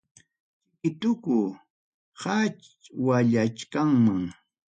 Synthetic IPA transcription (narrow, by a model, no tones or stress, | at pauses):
ɪt̪ʊkʊ | hat͡ʃ | waʎat͡ʃkaŋmaŋ